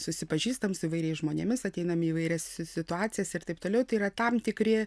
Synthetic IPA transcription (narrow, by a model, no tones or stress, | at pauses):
sʊsʲɪpɐʒʲiːst̪ɐmsʊiʋɐɪɾʲɛɪsʒmoːnʲemʲɪsɐt̪ʲɛɪnɐmʲɪiːʋɐɪɾʲɛssʲɪt̪ʊaːtsʲɪjɛsɪrt̪ɐɪp̚t̪oːlʲɛʊt̪ɐɪiːɾɐt̪ɐmt̪ʲɪkɾʲɪ